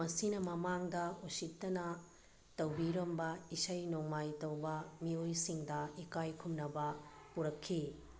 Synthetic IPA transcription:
mɐsinɐmɐmaŋdɐusik̚tɐnɐ | tɐwbiɾɐmbɐisɐjnoŋmajtɐwbɐmiojsiŋdɐikajkʰumnɐbɐpuɾɐkʰːi

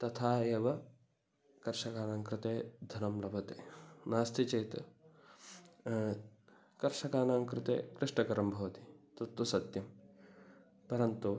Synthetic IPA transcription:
t̪ɐt̪ʰaːeːʋɐ | kɐɾʂɐkaːnaːŋkɾɪt̪eːd̪ʱɐnɐmlɐbʱɐt̪eːnaːst̪ʰit͡ʃɐjt̪ | kɐɾʂɐkaːnaːŋkɾɪt̪ḛːkɾɪʂʈɐkɐɾɐmbʱɐʋɐt̪i̥t̪ɐt̪ʋusɐt̪jɐm | pɐɾɐnt̪u

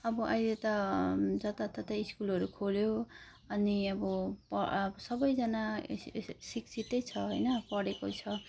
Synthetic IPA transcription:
ʌbʌʔʌ̰jlet̪ʌd͡zʌt̪at̪ʌt̪aiskulɦʌɾukʰoljo | ʌniʌbʌpʌbʌsʌbʌjd͡zʌna | siksʰit̪ʌjt͡sʰʌɦojnʌpʌɽekot͡sʰʌ

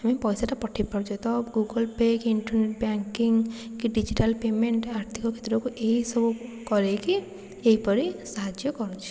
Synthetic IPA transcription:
ɦamipɔjsaʈapɔʈʰipɔɾd͡ʒɔt̪ɔbɡuɡɔlpekiɳʈɔɾneʈ̚baŋkiŋkiɖid͡ʒiʈalpemeɳʈaɾt̪ʰikɔkʰe̥t̪ɾɔkuʔeɦisɔbukɔɾeki | eɦipɔɾisaɦad͡ʒjɔkɔɾut͡ʃʰi̥

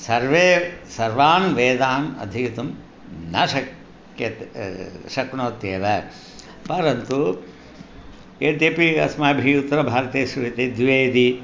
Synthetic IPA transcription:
sɐɾʋeːsɐɾʋaːnʋeːd̪aːnɐ̰d̪ʱit̪um | nɐʃɐk | jɐt̪ | ʃɐkɳoːt̪jeːʋɐ | pɐɾɐnt̪u | eːt̪epiɐ̰smaːbʱiut̪ːɾɐbʱaːɾɐt̪eːʃɾuʋit̪eːd̪ʋeːd̪i

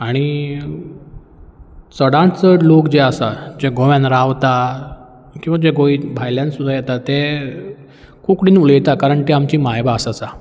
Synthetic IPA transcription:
aɽ̃i | t͡səɽãt͡səɽlokd͡ʑeəsad͡ʑeɡoʋjãnɾaʋt̪a | kĩw̃ʋad͡ʑeɡoibʱajljãnsud̪ʱajɛt̪at̪ːe | kukɽiːnulejt̪akaɾəɳʈ̪iːamt͡ɕiːmajbaːsasa

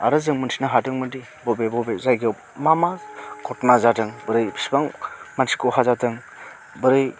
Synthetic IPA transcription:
aɾɯzɯŋmɯntʰinaɦatɯŋmɯndi | bɔbebɔbezajɡɯ | mamakʰɔtmazatɯŋbɯɾɯjbʰi̥sbaŋmantʰi̥koɦazatɯŋ | bɯɾɯj

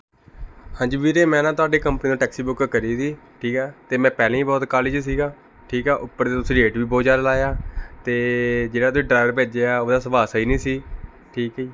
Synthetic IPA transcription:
hãːɲd͡ʒiːʋiːɾeːmɛ̃ːnãːt̪ʊaːɖeːkəmpəniːd̪õːʈɛːksiːbʊkkəɾiːsiː | ʈʰiːkɛːt̪eːmɛ̃ːpɛːlẽːĩːbɔːt̪kaːlɪd͡ʒs̬iːɡaː | ʈʰiːkɛːʔʊpːəɾt̪eːt̪ʊsĩːɖeːʈʋiːboːd͡ʒaːɾlaːjaːt̪eːd͡ʒeːɽaːt̪ʊĩːɖɾaːɪɾpeːd͡ʒeːaːoːd̪aːsəbaːsiːnĩːsiː | ʈʰiːkɦiː

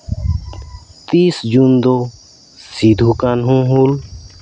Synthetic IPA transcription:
t̪iːsd͡ʒund̪o | sid̪ʱukanɦũɦul

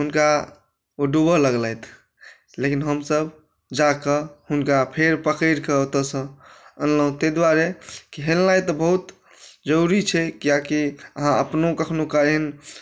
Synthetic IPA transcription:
ɦunka | oɖubələɡlɛjt̪ʰ | lekinɦəmsəb | d͡ʒakəhunkapʰeɾpəkəɪɾkəot̪əsə̃ənləɦũt̪ed̪waɾekiɦelnajt̪ɔbəɦut̪ | d͡ʒəɾuɾit͡ʃʰɛkijakiəɦãəpnokəkʰnukaɾɦin

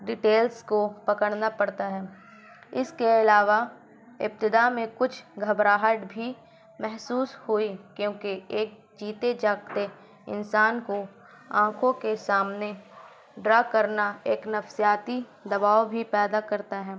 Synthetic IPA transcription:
ɖɪʈeːlskopɐkəɽnapɐɽt̪aɦɛː | ɪskeɪlaːʋa | ɪ̰p̚t̪ɪd̪amẽkʊt͡ʃʰɡʱɐbɾaːɦəʈbʱi | mɛɦsuːshʊikjõːkieːk̚ | d͡ʒiːt̪ed͡ʒaːkt̪e | ɪ̰nsaːnko | ãːkʰõkesaːmne | ɖɾaːkəɾnaeːknɐfsijaːt̪i | d̪ɐbaːobʱipɛːd̪akɐɾt̪aɦɛː

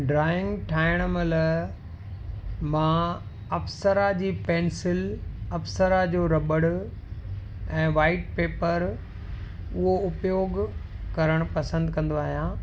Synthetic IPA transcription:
ɖɾaːɪ̃ŋɡʈʰaːɪɽ̃mɐlə | mãː | ɐfsəɾad͡ʑiːpɛ̃ːnsɪlɐfsəɾad͡ʑoːɾɐbəɽʊ̆ | ɛ̃ːʋaːɪʈ̚peːpəɾ | ʊɦoʊpjoːɡ | kɐɾəɽ̃ʊpɐsə̃nd̪kɐ̃nd̪oaːɦijã

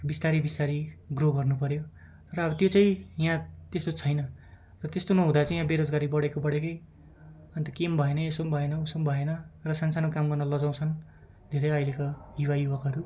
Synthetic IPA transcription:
bist̪aɾibist̪aɾiɡroɡʌrnupʌɾjo | t̪ʌɾʌːbʌt̪jot͡saĩjãt̪est̪ot͡sʰʌjnʌ | rʌt̪est̪onoɦũd̪at͡saĩjãbeɾod͡zɡaɾibʌɽekobʌɽekʌj | ʌnt̪ʌkembʱʌenʌesombʱʌenʌusombʱʌenʌrʌsansanokamɡʌrnʌlʌd͡zãw̃t͡sʰʌn | d̪ʱeɾʌjʌjlekojuwajubʌkɦʌɾu

